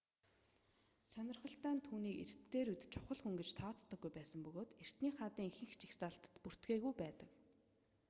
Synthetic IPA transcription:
sœnʲɪ̆rχə̆ɬt̪æːnt̪ʰuːniːkḛr̥t̪ːeːɾut̪t͡ɕʰʊχə̆ɮχuŋɡet͡ɕt̪ʰɔːt͡st̪ːə̆ɡːujpæːsə̆mpɵɣoːt̪er̥t̪niːχat̪iːŋxɘ̆ŋxt͡ɕixsaɬt̪ə̥̆t̪pur̥t̪ɡeːɣujpæːt̪ə̆k

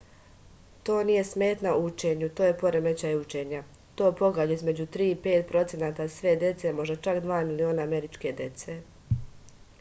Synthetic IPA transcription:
t̪o̞ːnije̞sme̞ːt̪naut͡ʃe̞ːɲut̪oːje̞po̞ɾeme̞t͡ɕajut͡ʃe̞ːɲa | t̪o̞ːpo̞ɡaʎizme̞d͡ʑut̪ɾiːipe̞ːt̪̚pɾo̞t̪senaːt̪asʋe̞d̪je̞t̪se̞mo̞ʒd̪at͡ʃakd̪ʋaːmilio̞ːnaːme̞ɾit͡ʃke̞d̪je̞t̪se̞

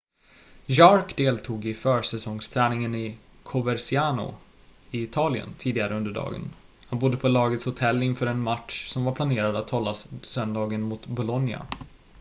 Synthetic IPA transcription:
jɑɾkd̪eːlt̪ʰuːɡɪfœːʂɛsɔŋst̪ʰɾɛːnɪŋənɪ | kʰʊvɛɾsɪaːnʊ̰ | ɪɪːt̪ʰɑːlɪə̰nt̪ʰiːd̪ɪɡaɾəɵnd̪əɖɑ̰ːɡə̰n | hanbʊd̪ːəpʰɔlɑːɡət̪shʊt̪ʰɛlːɪnfœːɾɛnmatʂsɔmvaɾpʰlaneːɾad̪at̪hɔlːassœnd̪ɑːɡənmʊt̪bʊlɔnja̰

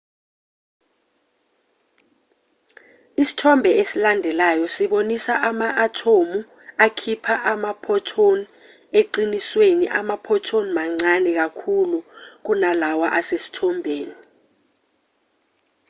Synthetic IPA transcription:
isi̥tʰɔmbʱɛesilandʱɛlajɔsiɓonisaʔamaʔːtʰomu | akʰipʰaʔamapʰɔtʰoni | eǃiniswenḭʔa̰mapʰɔtʰonimaŋ͡ǀanɛk̬akʰuluk̬unalawaʔasesi̥tʰɔmbʱeːni

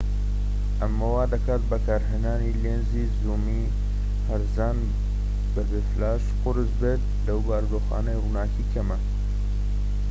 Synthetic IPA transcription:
ʔɐmːɐwaːd̪ɐkʰaːt̪̚bɐkaːɾɦeːnaːniːleːnziːzuːmiː | hɐɾzaːn | bɐbeːflaːʃqʊɾɨzbeːt̪̚ | lɐwbaːɾd̪oːxa̰ːnɐjruːnaːkʰiːkʰɐmɐ

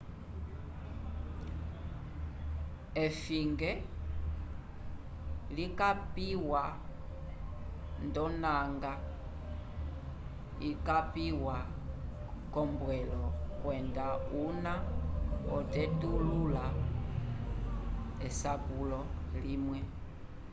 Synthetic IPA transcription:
ɛfiŋɡɛ | likapiwa | ndɔnaŋɡa | ikapiwa | kɔmbwɛlɔkwɛndauna | ɔtɛtulula | ɛsapulɔlimwɛ

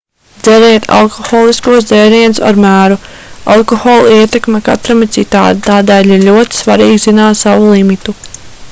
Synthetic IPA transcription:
d̪zɛɾɛːt̪ʰa̰lˠkɔxɔːlˠiskuɔs̬d̪zɛːɾiɛnsa̰ɾmæːɾu | a̰lˠkɔxɔːlˠiɛt̪ɛkmɛka̰t̪ɾamit̪sit̪a̰ːt̪̚t̪aːd̪ɛːjlʲiɾlʲuɔt̪i̥svaɾiːɡzinaːt̪saʋulˠimit̪u

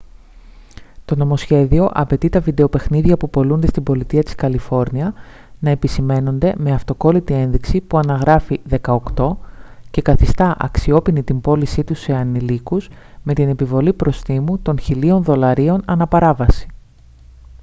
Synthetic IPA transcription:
t̪o̞no̞mo̞sçe̞ðio̞ʔɐpe̞t̪it̪ɐvid̪e̞o̞pe̞xniðʝɐpupo̞lund̪est̪imbo̞lit̪iɐt̪i̥skɐlifo̞ɾniɐ | nɐe̞pisime̞no̞nd̪e̞me̞ɐft̪o̞ko̞lit̪ie̞nðiksipuɐnɐɣɾɐfiðe̞kɐo̞kt̪o̞ce̞kɐθist̪ɐʔɐ̰ksio̞pinit̪imbo̞lisit̪use̞ɐnilikuz | me̞t̪ine̞pivo̞lipɾo̞st̪imut̪o̞nçilio̞nðo̞lɐɾio̞nɐnɐpɐɾɐvɐsi̥

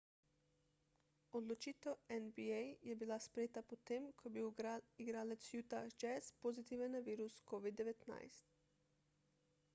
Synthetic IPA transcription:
od̪lot͡ʃiːt̪ɛwɛnbiejjɛbilaspɾɛjeːt̪apot̪emkʰobiiɡɾaːlɛt̪sjut̪ad͡ʒɛspozit̪iːʋɛnːaʋiːɾuskoʋid̪ːɛʋɛt̪na̰jst̪

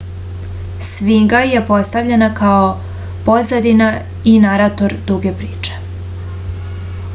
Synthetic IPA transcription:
sʋiŋɡajepo̞st̪avʎenakao | po̞zad̪ina | inaɾat̪o̞ɾd̪uɡepɾiːt͡ʂe̥

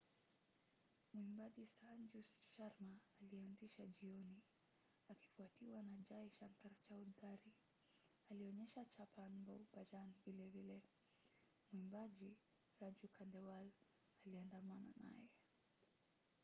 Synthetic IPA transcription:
muimbaʄisand͡ʒusʃaɾmaːlianziʃaʄiɔni | aki̥fuatiwanad͡ʒaiʃaŋkaɾt͡ʃauld̪aɾi | aliɔɲɛʃat͡ʃapanbɔupad͡ʒanivilɛvilɛ | mwimbaʄi | ɾad͡ʒukʰandɛwal | aliandamana̰na̰jɛ

